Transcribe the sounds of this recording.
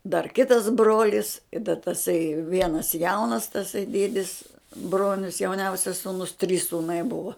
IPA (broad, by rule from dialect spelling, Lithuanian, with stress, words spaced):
dɐr ˈkʲɪtɐs ˈbroːlʲɪs ɪ dɐ tɐˈsɐɪ ˈʋʲiɛnɐs ˈjɛʊnɐs tɐˈsɐɪ ˈdʲiɛdʲɪs ˈbroːnʲʊs jɛʊˈnʲɛʊsʲɛs suːˈnʊs tʲrʲiːs suːˈnɐɪ ˈbʊʋɐ